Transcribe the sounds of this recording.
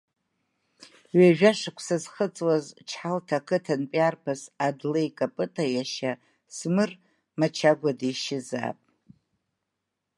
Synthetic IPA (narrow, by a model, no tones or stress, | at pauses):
ɥaʒᶣaʂakʷʰsazχət͡sʼwazt͡ʃʰħaltʰakʰɨtʰanpʼarpʰasadlejkʼapʼɨtʼʰajaʃa | smɨr | mat͡ʃʰaɡʷadajʃɪza̰pʼ